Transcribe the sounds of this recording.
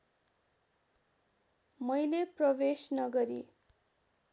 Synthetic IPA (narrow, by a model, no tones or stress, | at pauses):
mʌjleprʌbesnʌɡʌɾi